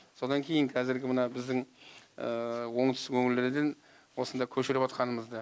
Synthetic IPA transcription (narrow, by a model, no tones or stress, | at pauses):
so̞d̪ɑŋkʲʰe̞jɪŋkʰɑzɪɾɡʲɪmənɑbɪzd̪ɪŋəwo̞ɴt̪ʰə̥st̪ɪkʰɵŋɪld̪eɾɪd̪e̞n | wo̞sənd̪ɑkʲʰɵʃɪɾɪpɑt̪qɑnəməzd̪ɑ